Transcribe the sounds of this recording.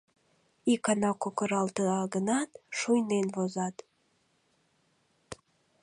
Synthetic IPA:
ikɑnɑkokəɾɑlˠt̪əɑɡənɑt̪ʃujnenvozɑt̪

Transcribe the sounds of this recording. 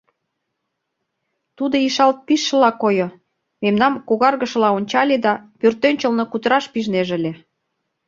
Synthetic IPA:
t̪ud̪oiʃɑlt̪̚piʃːə̆lɑkojo | memnɑmkoɣɑrɣə̆ʃə̆lɑonʲt͡ɕɑlʲed̪ɑpørt̪ønʲt͡ɕə̆lnŏkut̪əɾɑʃpiʒneʒə̆lʲĕ

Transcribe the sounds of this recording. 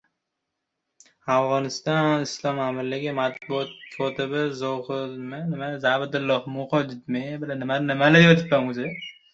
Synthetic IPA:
afʁɒnɪst̪ɒnnɪslˠɒmamɪɾlɪɡʲɪmat̪̚bʊɒt̪̚kʰɒt̪ʰɪbɪzɒhɪlmɪnɪmazabɪd̪ʊlˠːɒhmʊqɒd͡ʒɪt̪̚mebɪlanːɪmanɪmalajɒt̪ʰɪp̪ːamʊzɪ

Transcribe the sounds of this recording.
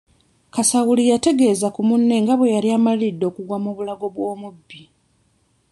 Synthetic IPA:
kasawulijate̞ɡe̞ːzakumunːe̞ŋɡaβwe̞jaliamalilidːo̞ːkuɡwamoːβulaɡo̞βwo̞ːmubːi

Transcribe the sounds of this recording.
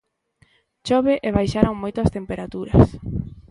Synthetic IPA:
t͡ʃɔβeʔeβ̞ajʃaɾoŋmojt̪oɐst̪empeɾat̪uɾɐ̰s

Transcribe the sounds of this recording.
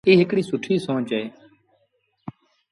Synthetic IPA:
iːɦɪkɽiːsʊʈʰiːsõːt͡ʃeː

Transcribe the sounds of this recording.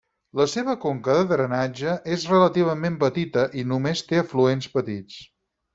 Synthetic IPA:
ləseβ̞əkoŋkəðəðɾənad͡ʒəʔezrələt̪iβ̞əmempət̪it̪əʔinumest̪eəfluenspət̪it͡s

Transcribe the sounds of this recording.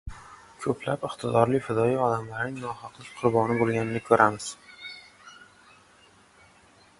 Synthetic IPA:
kʰɵpʰlapɪqt̪ʰɪd̪ɒɾlɪfɪd̪ɒiɒd̪amlaɾnɪŋnɒχɒqlˠɪk̚ʲqʰʊɾbɒnɪbolˠɡʲanɪnɪkʰɵɾʔamɪz̥

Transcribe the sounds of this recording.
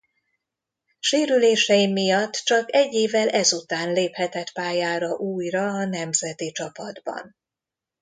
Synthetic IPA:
ʃeːɾyleːʃɛjimːijɒt̪ːt͡ʃɒkɛɟːeːvɛlʔɛzut̪aːnleːphɛt̪ɛt̪paːjaːɾɒʔuːjrɒːnɛmzɛt̪it͡ʃɒpɒd̪bɒ̰n

